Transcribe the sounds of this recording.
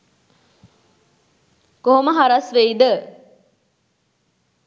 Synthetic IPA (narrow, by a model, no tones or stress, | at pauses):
koɦoməɦaɾɐsʋeid̪ə